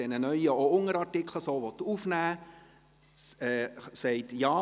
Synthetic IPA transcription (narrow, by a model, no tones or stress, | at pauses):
ɛnənœʏəoʊŋəɾɑrtɪkʰləsoːʋɔt̪uːfnæː | ɛːsɛɪtjɑː